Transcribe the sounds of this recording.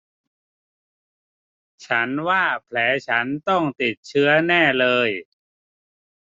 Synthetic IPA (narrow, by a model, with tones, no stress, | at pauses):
t͡ɕʰa˦˥nwaː˥˩pʰlɛː˩˦˥t͡ɕʰa˦˥nt̪ɔ˥˩ŋt̪i˨˩t̪̚t͡ɕʰɯ˦˥ɐnɛː˥˩lɤː˧j